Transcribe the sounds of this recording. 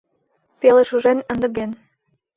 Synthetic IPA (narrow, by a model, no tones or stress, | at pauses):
peleʃuʒenə̆nd̪ə̆ɣen